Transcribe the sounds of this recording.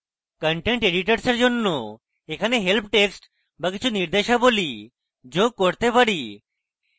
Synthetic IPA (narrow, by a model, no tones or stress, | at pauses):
kəɳʈeɳʈeɖiʈəɾsəɾd͡ʒonːo | ekʰaneɦelpʰʈeksʈ | bəkit͡ʃʰuniɾd̪eʃaboli | d͡ʒoɡ̚koɽt̪epəɽi